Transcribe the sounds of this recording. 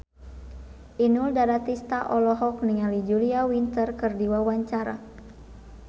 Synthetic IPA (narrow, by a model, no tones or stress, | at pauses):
ʔinuldaɾat̪ist̪aʔɔlɔɦɔkniŋalid͡ʒuliawint̪ərkɨrdiwawaɲt͡ʃaɾa̰